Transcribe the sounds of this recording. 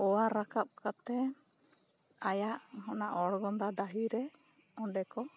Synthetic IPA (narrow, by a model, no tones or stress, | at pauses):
ɔwaɾakap̚kat̪ɛ | ajaʔhɔnaʔɔɽɡɔnd̪ad̪aɦiɾɛ | ɔɳɖɛkɔ